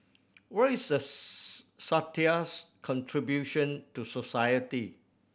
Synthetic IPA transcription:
wɛisdə | satiaskʰɔ̃ntʰɹibjuʃə̃ntusosajəti

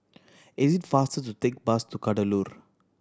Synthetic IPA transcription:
ɪziʈfaːsʈəʈut̪ek̚bastukaʈəluːɾ

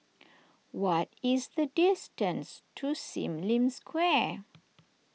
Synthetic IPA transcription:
wɔtɪzðədɪstə̃nstʰusḭ̃mlĩmskʰwɛ

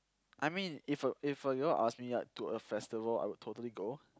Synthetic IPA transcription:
ʔajmĩnifəifəɡəlʔa̰smija̰tuəfɛstivəla̰jwʊd̚tʰotəliɡo

